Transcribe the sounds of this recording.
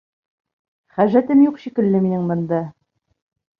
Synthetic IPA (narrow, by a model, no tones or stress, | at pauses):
χæʒæt̪ɘmjuqɕikɘ̆lːɘminɘŋbɤ̆nd̪ɑ